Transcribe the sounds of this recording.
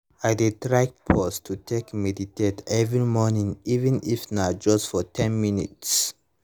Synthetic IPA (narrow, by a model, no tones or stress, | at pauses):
aɪdetɹak̚pʰɔstʰutʰekmɛditetɛvɹimɔnĩŋivɛ̃nifnad͡ʒɔstfɔtʰɛ̃nminḭts